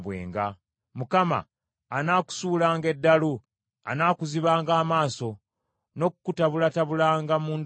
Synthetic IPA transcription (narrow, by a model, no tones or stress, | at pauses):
βwe̞̰ːŋɡa | mukama̰ː | naːku̥suːlaːŋɡe̞dːalu | a̰naːkuziβaːŋɡaːmaːso̞ | no̞kukutaβulataβulaːŋɡamuːnd